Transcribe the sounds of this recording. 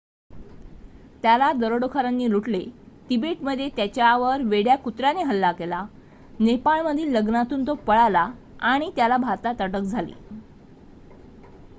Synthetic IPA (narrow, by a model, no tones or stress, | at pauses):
t̪jalad̪əɾoɽokʰaɾanːiːluʈle | ʈibeʈməd̪ʱːjet̪jat͡ɕjaʋəɾʋeɽjakut̪ɾjaneɦəlːakela | nepaɭməd̪ʱiːləɡnat̪uːnt̪opəɭala | aɽ̃it̪jalabʱaɾt̪at̪əʈək̚d͡zʱalḭː